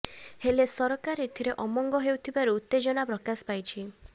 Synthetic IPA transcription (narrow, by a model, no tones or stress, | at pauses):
helesɔɾɔkaɾit̪ʰiɾeʔɔmɔŋɡɔɦewt̪ʰibaɾuːt̪ːed͡ʒɔnapɾɔkaspajt͡ʃʰi